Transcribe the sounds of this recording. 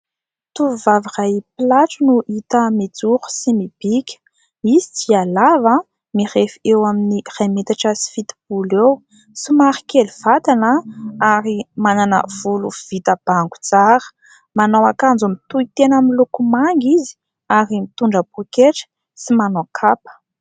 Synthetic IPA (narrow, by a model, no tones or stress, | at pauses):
t̪uvuvavirajpilaʈ͡ʂənuʔit̪əmid͡zuɾu̥simib̥ikʲə̥ | misi̥t͡sialava | mirefiewaminirajmet̪aʈ͡ʂəsi̥fit̪i̥b̥ulew | simaɾi̥keliv̥at̪anəaɾimananə̰v̥uluv̥it̪əb̥aŋɡu̥t͡saɾə̥ | manawakand͡zumit̪uit̪enamilukumaŋɡizi̥ | aɾimit̪uɳɖ͡ʐəbukeʈ͡ʂə̥ | simanokʰapə̥